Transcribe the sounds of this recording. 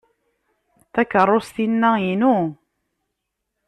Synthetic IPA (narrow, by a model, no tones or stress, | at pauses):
θækːərˤːost̪inːæinu